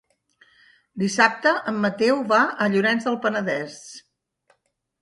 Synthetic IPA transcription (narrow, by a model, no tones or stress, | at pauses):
d̪isap̚t̪əʔəmːət̪ɛwβaʔəʎuɾɛnzðəlˠpənəðɛs